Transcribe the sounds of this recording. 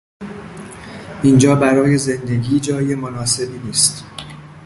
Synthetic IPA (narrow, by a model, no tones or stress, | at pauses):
ʔind͡ʒɒːbæɾɒːje̞ze̞nd̪e̞ɟiːd͡ʒɒːje̞monɒːse̞biːniːst̪